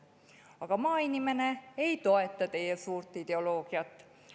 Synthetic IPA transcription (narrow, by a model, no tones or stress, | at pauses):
ɑkɑmɑːinimeneeit̪oet̪ːɑt̪ejæsuːrt̪ːˑid̪eoloːɡ̥iɑt̪ː